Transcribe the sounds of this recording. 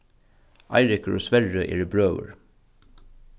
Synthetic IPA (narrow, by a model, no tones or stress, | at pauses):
ʔɑ̰ɪɹɪkəɹo̰ːsʋɛɹəʔḛːɾəbɹøːʋə̰ɹ